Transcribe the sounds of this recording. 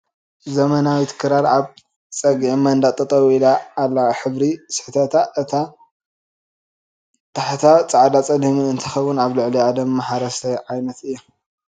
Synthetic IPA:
zɐmɐnawit̪ʰɨ̥kʰɨɾaɾaβ | t͡sʼɐɡʕmɐnd̪at̪ʼɨt̪ʼɐwilaːlːaħɨβɾisɨ̥ħt̪ʰɐt̪ʰaʔɨt̪ʰa | t̪ʰaħt̪ʰat͡sʼaʕd̪at͡sʼɐd̪imɨnɨnt̪ʰɨxɐβunaβlɨʕliʕad̪ɐmːaħaɾɐst̪ʰɐjʕajnɐt̪ɨjːo

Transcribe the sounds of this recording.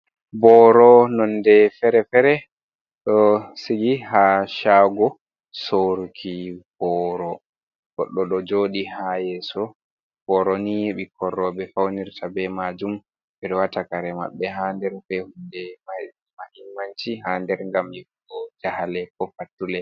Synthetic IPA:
bɔɾɔnɔndɛfɛɾɛfɛɾɛ | ɗɔsiɡihaʃaːɡɔ | soɾkʰib̥ɔɾɔ | ɡɔɗːɔɗɔd͡ʒoːɗihajɛsɔ | b̥ɔɾɔniɓikɔrːɔbɛfawniɾtʰabɛmad͡ʒum | bɛɗɔwatakaɾɛma̰ɓːɛɦaːndɛɾfɛhundɛma | mahimːant͡ʃiɦaːndɛɾŋɡamɛiɡɔd͡ʒahalɛkɔfatːulɛ

